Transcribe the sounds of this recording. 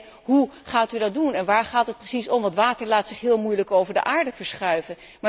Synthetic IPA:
ɦuχaːtydɑt̚dunɛnʋaːɹχaːtət̚prəsisɔmʋɑtʋaːtəɹlaːtsɪχɦɪːlˠmujləkowvəɹdə̰ʔaːɹdəvəɹsχœɥvən | ma

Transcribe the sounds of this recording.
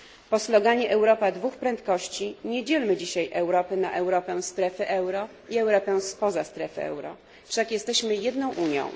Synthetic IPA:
pɔslɔɡaɲɛʔɛwɾɔpad̪vuxpɾɛnt̪kɔɕt͡ɕiɲɛd͡ʑɛlmɘd͡ʑiɕajʔɛwɾɔpɘnaʔɛwɾɔpɛst̪ɾɛfɘʔɛwɾɔ | iɛwɾɔpɛ̃spɔzast̪ɾɛfɘɛ̰wɾɔ̰ | fʂakjɛst̪ɛɕmɘjɛd̪nɔ̃w̃ʔuɲjɔ̰̃w̃

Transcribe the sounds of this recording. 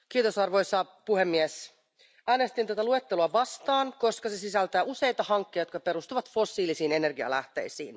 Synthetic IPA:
k̟iːt̪o̞sɑrʋojsɑpuhe̞mːies | æːne̞st̪int̪æt̪ælue̞t̪ːe̞luɑʋɑst̪ɑːnko̞skɑse̞sisælt̪æːʔuse̞jt̪ɑhɑŋkːejo̞t̪kɑpe̞ɾust̪uʋɑt̪fo̞sːiːlisiːne̞ne̞rɡiɑ̰læht̪e̞̰jsḭːn

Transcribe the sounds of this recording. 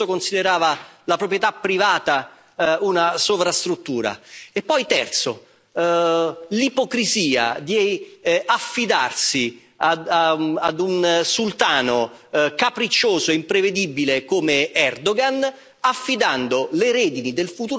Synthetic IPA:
okonsid̪eɾaːvalapɾopɾjet̪apːɾivaːt̪a | unasovɾast̪ɾut̪ːuːɾa̰epːɔjt̪ɛ̰rt̪so | lipokɾiziːa̰d̪jeafːid̪a̰rsi | a | ad̪unsult̪aːnokapɾit͡ʃːoːzoeimpɾeved̪ibilekomeɛrd̪oɡan | afːid̪and̪oleɾɛːd̪inid̪elfut̪uː

